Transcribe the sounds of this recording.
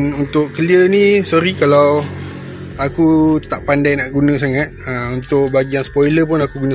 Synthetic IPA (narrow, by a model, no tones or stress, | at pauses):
nunt̪ʊʔkəliənĩsɔɾikalaw | akut̪aʔpandajnaʔɡunə̃s̬aŋat̪̚əmunt̪ʊk̚baɡianspojləp̬ʊnakuɡunə̃